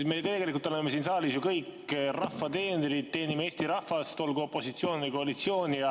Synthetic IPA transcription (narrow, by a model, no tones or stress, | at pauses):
mekt̪eɡe̞likult̪olemːesiːnsɑːlisjukɤjkːrɑfːɑt̪e̞ːneɾid̪̚t̪e̞ːnimeeːst̪iɾɑhːɑst̪o̞lɡuo̞pːˑo̞sit̪sio̞ːnvɨjko̞ɑlit̪sio̞ːnʲijɑ